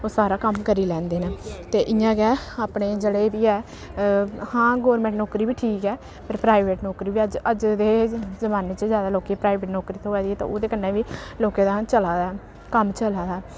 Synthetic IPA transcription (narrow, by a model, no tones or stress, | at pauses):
oːsaːɾaːkəmkəɾiːlɛ̃ːnd̪eːnaːt̪eːʔɪjãːɡɛːaːpɳeːd͡ʒəɽeːbiːɛː | hãːɡɔːɾmɛ̃ːɳʈnɔːkɾiːbiːʈʰiːkɛː | pəɾpɾaːɪʋeːʈnoːkɾiːʋiːəd͡ʒəd͡ʒd̪eːzəmaːneːt͡ʃəzjaːd̪aːloːkeːpɾaːɪʋeːʈnoːkɾiːt̪ʰõːʋɛːd̪iːɛːt̪ã̰ːoːd̪eːkənːẽːʋiːloːkẽːd̪ãːt͡ʃəlaːd̪aːɛ | kəmt͡ʃəlaːd̪aː